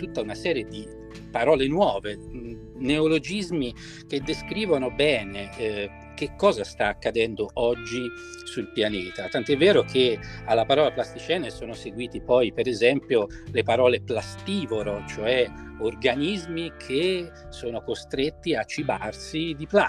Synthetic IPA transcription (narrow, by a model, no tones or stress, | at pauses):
t̪ut̪ːaunasɛːɾjed̪i | paɾɔːlenwɔːve | neolod͡ʒizmi | k̟ed̪ːeskɾiːvonobɛːne | k̟ekːɔːzast̪aːkːad̪ɛnd̪oʔɔd͡ʒːi | sulpjaneːt̪at̪ant̪oɛvːɛːɾokʰealːapaɾɔːlaplast̪it͡ʃɛːnesoːnoseɡwiːt̪ipɔjpeɾezɛmpjolepaɾɔːleplast̪iːvoɾot͡ʃoɛ | orɡanizmikʰe | soːnokost̪ɾet̪ːiat͡ʃːibarsid̪ipla